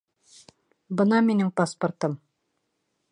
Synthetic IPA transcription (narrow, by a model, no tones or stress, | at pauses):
bɤnɑminɘŋpaspŏrt̪ɤm